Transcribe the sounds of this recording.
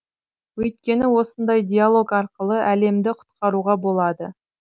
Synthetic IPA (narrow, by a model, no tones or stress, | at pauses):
wɵjt̪̚kʲe̞nɪwo̞sənd̪ɑjd̪ʲialˠo̞kɑɾqəlˠəʔæle̞md̪ɪqʰʊ̥t̪qɑɾuʁɑbo̞lˠɑd̪ə